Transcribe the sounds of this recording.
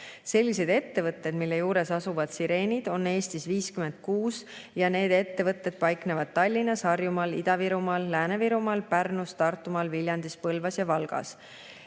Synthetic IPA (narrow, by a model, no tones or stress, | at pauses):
se̞lʲːise̞d̪̥e̞t̪ːe̞vɤt̪ːˑed̪milːe̞juːɾe̞sɑsuvɑd̪̥siɾe̞ːnʲid̪̥o̞nːe̞ːst̪isviːskyme̞nt̪̚kuːs | jɑne̞ːd̪e̞t̪ːe̞vɤt̪ːˑe̞d̪̥̚pɑjkne̞vɑd̪̥̚t̪ːɑlʲːinːɑsɑrjumɑlid̪ɑviɾumɑlːæːneviɾumɑlpærnust̪ɑrt̪ːˑumɑlvilʲjɑnd̪̥ispɤlvɑsjɑvɑlɡ̥ɑ̰s